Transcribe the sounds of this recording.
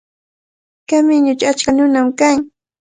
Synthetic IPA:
kamɪɲʊt͡ʃʊat͡ʃkanʊnamkaŋ

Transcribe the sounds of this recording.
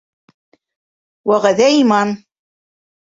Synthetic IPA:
wæʁæðæimɑn

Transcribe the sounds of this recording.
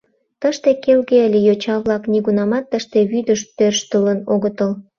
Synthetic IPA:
t̪əʃt̪ekelɣeəlʲejot͡ɕɑβlɑkniɣunɑmɑt̪ːəʃt̪eβyd̪əʃt̪ørʃt̪ələnoɣət̪əl

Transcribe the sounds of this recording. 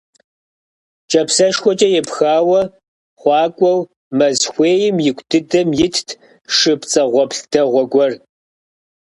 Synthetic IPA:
t͡ʃʼɐpsɐʂxʷɔt͡ʃʼɐjɛpxaːwɐ | χʷɑːkʷʼɔw | mɐzxʷeːjɪmjɪkʷʼdʰɨdɐmjɪtʰtʰ | ʂɨpt͡sʼɐʁʷɔpɬtʰɐʁʷɔɡʷɔr

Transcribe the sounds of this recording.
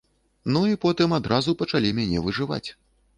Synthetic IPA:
nuipɔt̪ɨmad̪ɾʔazupɐt͡ʂalʲimʲanʲɛvɨʐɨva̰t͡sʲ

